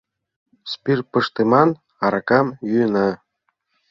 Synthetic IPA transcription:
spʲirpəʃt̪emɑn | ɑɾɑkɑmjyjənɑ

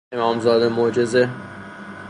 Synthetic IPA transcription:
emɒːmzɒːd̪emod͡ʒeze

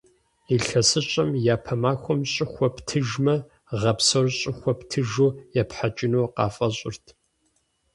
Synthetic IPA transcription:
iɬɐsɨɕʼɐmjaːpʰɐmaːxʷɔmɕʼɪxʷɔptʰɨʒmɐ | ʁɐpsɐrɕʼɪxʷɔptʰɨʒuːjapħat͡ʃʼɪnuːqɑ̰ːfʼɐɕʼɪ̰rtʰ

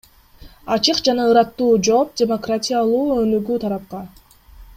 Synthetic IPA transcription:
ɑt͡ʃɯqd͡ʒɑnɑɯɾɑt̪ːuːd͡ʒo̞ːp̚dʲemokratʲijalˠuːønyɡyːt̪ʰɑɾɑp̚qɑ

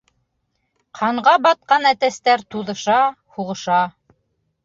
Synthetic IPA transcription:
qʰɑɴʁɑbɑt̪̚qɑnæt̪æst̪æɾt̪uðɤ̆ʃɑ | huʁɤ̆ʃɑ

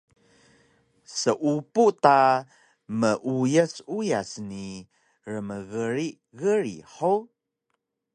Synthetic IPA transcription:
səʔupuʔta | məʔujəsujasni | rəməɣəɾiʔ | ɣəɾḭħow

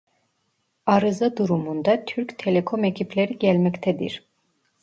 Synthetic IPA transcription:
aɾɯzad̪uɾumund̪at̪ʰyɾct̪ʰɛlɛkʰomecʰipʰlʲeɾiɟɛlʲmɛct̪ʰɛd̪ḭɾ̥

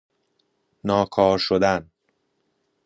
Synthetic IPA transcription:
nɒːkʰɒːɾʃod̪æn

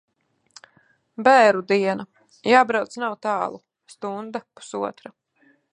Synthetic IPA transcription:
bɛːɾud̪iɛna | jaːbɾawt̪snawt̪ɑːlˠu | st̪und̪apu̥suɔt̪ɾa

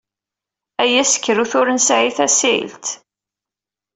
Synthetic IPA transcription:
æjæsə̥kːəɾuθʊɾənsʕiθæsḭlt̪

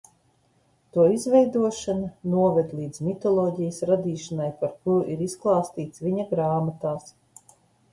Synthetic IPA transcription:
t̪uɔizvʲɛjd̪uɔʃanɐnuɔvɛd̪lˠiːd̪zmʲit̪ɔlˠɔːɟijəsɾad̪iːʃanajpaɾkuɾuʔiɾisklˠaːst̪iːt̪svʲiɲaɡɾaːmat̪aːs

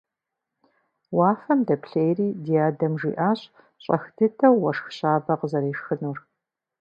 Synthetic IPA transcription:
waːfɐmdɐpɬejriːdijaːdɐmʐiːʔaːɕ | ɕʼɐ̰xdɨtʰɐwːɐʂxɕaːbɐqəzɐɾiːʂxɨnur

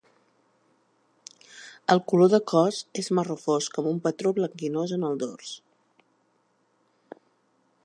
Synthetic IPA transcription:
əlˠkuloðəkɔzezmərəfoskɔmumpət̪ɾoβləŋɡinozənəlˠd̪o̰rs

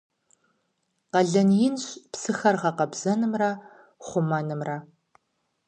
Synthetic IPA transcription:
qɐɮɐnjɪnɕʼpsɨxɐrʁɐqɐbz̥ɐnɨmrɐ | χʷʊmɐnɨmrɐ

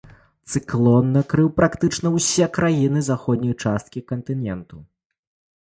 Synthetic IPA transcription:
t̪sɨklʲˠɔnːɐkɾɨwpɾʔakt̪ɨt͡ʂnɐwsʲɛkɾajinɨzaxɔd̪̚ʲnʲɐjt͡ʂast̪kʲikɐnt̪ɨnʲɛnt̪u

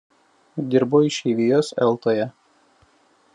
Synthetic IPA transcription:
d̪ʲɪɾboɪʃʲɛɪʋʲijoːsɛ̰lˠt̪oːjɛ

